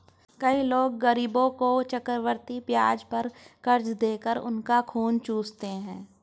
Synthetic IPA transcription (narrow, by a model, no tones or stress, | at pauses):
kɐiloːɡːɐɾiːbõkot͡ʃəkəɾʋəɾt̪ipjaːd͡ʒpɐɾkɐɾd͡ʒd̪eːkəɾʊ̰nkakʰuːnt͡ʃuːst̪eɦɛ̃ː